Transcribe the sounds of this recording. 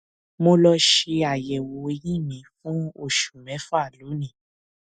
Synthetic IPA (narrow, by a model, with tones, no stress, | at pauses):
mo˧lɔ˧ʃe˧a˨jɛ˨wo˨e˧jĩ˦˨mĩ˨˦fũ˦o˦˨ʃu˨mɛ̃˨˦fa˦˨lu˨˦nĩ˦˨